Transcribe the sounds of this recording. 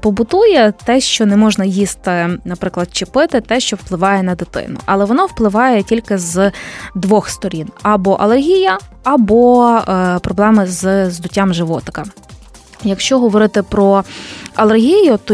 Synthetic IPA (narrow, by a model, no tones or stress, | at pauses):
pɔbʊt̪ujɛt̪ɛʃt͡ʃɔnɛmɔʒnɐjist̪ɪnɐpɾɪklˠɐd̪̚t͡ʃɪpɪt̪ɪt̪ɛʃt͡ʃɔwplˠɪʋɑjɛnɐd̪ɪt̪ɪ̰nʊ̰ʔɐlˠɛʋɔnɔwplˠɪʋɑjɛtʲilʲkɪzd̪ʋɔxst̪ɔɾʲinɐbɔʔɐlˠerɦʲijɐ | ɐbɔ | pɾɔblˠɛmɪzzd̪ʊtʲːamʒɪʋɔt̪ɪ̥kɐ | jɐkʃt͡ʃɔɦɔʋɔɾɪt̪ɪpɾɔɐlˠerɦʲijʊt̪ɔ